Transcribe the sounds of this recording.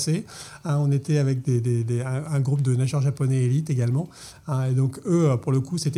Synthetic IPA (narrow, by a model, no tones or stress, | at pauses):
se | ɛ̃ɔ̃net̪ɛavɛk̚d̪ed̪ed̪eɛ̃ɛ̃ɡʁup̚d̪ənaʒɛʁʒapɔnɛelit̪eɡalmɑ̃ | ɛ̃ed̪ɔ̃køøpuʁləkuset̪ɛ